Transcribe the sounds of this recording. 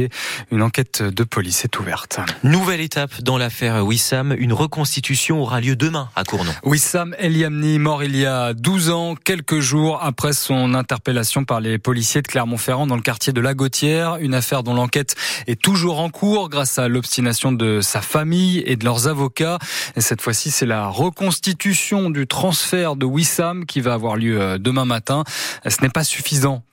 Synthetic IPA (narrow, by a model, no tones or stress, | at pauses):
eynɑ̃kɛt̪d̪əpʰɔlisɛt̪ʰuvɛ̰ʁt̪nuvɛlet̪apd̪ɑ̃lafɛʁwisamynʁəkɔ̃st̪it̪ysjɔ̃ɔʁaljød̪əmɛ̃a̰kuʁnɔ̰wisamɛljamnimɔʁiljad̪uzɑ̃kʲɛlkəʒuʁapχɛsɔ̃nɛ̃t̪ɛʁpelasjɔ̃paʁlepɔlisjed̪əklɛʁmɑ̃fɛʁɑ̃d̪ɑ̃ləkaʁt̪jed̪əlaɡot̪jɛʁynafɛʁd̪ɔ̃lɑ̃kɛt̪ɛt̪uʒuʁɑ̃kʰuʁɡʁasalɔpst̪inasjɔ̃d̪əsafamijḛd̪əlœʁzavɔkaesɛt̪fwasisɛlaʁəkɔ̃st̪it̪ysjɔ̃d̪yt̪χɑ̃sfɛʁd̪əwisamkʲivaːvwaʁljød̪əmɛ̃mat̪ɛ̃sənɛpasy̥fizɑ̃